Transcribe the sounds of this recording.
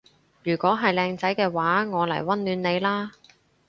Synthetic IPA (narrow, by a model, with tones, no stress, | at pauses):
jyː˨˩kʷɔː˨˥ɦɐ˨jlɛː˧ŋt͡sɐ˨˥jkɛː˧waː˨˥ŋɔː˨˧lɐ̰˨˩jwɐ˥nlyː˨˧nne˨˧jlaː˥